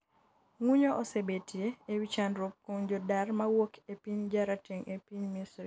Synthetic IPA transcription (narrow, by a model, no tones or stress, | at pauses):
ŋwuɲoʔɔsebetjeewit͡ʃanɾop̚koŋd͡ʒɔdarmawokʰepiɲd͡ʒaɾateŋʔepiɲmisɾi